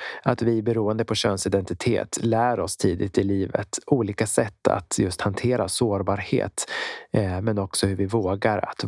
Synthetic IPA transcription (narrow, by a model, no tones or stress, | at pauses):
at̪vɪbɛɾuːənd̪əpʰɔɕœ̰ːnsɪd̪ɛnt̪ɪt̪ʰḛːt̪ʰlæːɾɔst̪ʰiːd̪ɪt̪ɪliːvə̰t̪uːliːkasɛt̪ːa̰t̪jɵst̪hant̪ʰeːɾasoːɾbɑːɾhḛːt̪ | mɛnɔksɔhɵɾvɪvoːɡaɾa̰t̪